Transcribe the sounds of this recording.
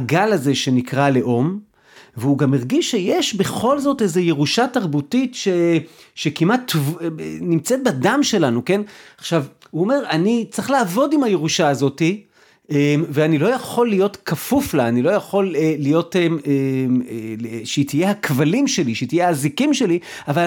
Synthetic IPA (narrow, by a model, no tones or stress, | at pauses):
ɡalaze̞ʃe̞nikʁaleʔo̞m | veuɡameʁɡiʃːe̞jeʃbe̞χo̞lzo̞te̞ze̞je̞ʁuʃataʁbutitʃeʃe̞kimatːvnimt͡se̞t̪̚badamʃe̞lanuke̞naχʃavhuome̞ʁanit͡sʁiχlaːvo̞dimhajeʁuʃaːzo̞ti | emveanilo̞jaχo̞lːijo̞tkʰafuflaːnilo̞jaχo̞leːijo̞teeeeʃet̪ije̞hakvalimʃe̞liʃeitijeaːzikimʃe̞liaval